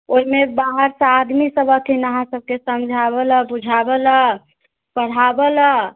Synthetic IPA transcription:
oɦimebaɦəɾsad̪misəbʱəkinəɦãsəb̚kesəmd͡ʒʱabəlabud͡ʒʱabəla | pəɽ̤abəla

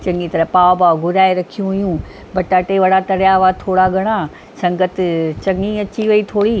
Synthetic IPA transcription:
t͡ɕɐ̃ŋɡit̪ɐɾəpaːobaːoɡʱʊɾaːeɾɐkʰijũɦʊjũː | bɐʈaːʈeʋɐɽat̪ɐɽjaʋat̪ʰoːɽaɡʱɐɽ̃a | sɐ̃ŋɡət̪t͡ɕɐŋɡĩɐt͡ɕiʋɐit̪ʰoːɽiː

